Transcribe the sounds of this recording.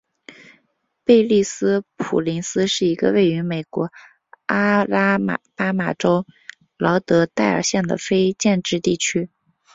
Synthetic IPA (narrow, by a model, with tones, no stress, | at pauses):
pe˥˧ɪli˥˩sɹ̩˥pʰṵ˨˩li˧˥nsɹ̩˥ʂɻ̩˥˩i˧˥ɡə̰˧we˥˩ɪy˧˥me˨˩ɪkwɔ˧˥ | a˥la˥m˩pa˥ma˨˩ʈ͡ʂo˥ʊ | lɑ˧˥ʊt̪ɤ˧˥t̪a˥˩ɪə̰˞˨˩ɕjɛ˥˩nd̪ə̰˩fe˥ɪt͡ɕjɛ˥˧nʈ͡ʂɻ̩˥˧t̪i˥˩t͡ɕʰy˥